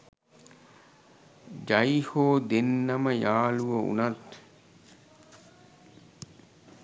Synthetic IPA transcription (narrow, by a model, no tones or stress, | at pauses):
d͡ʒajihoːd̪enːɐməjaːluʋəṵnat̪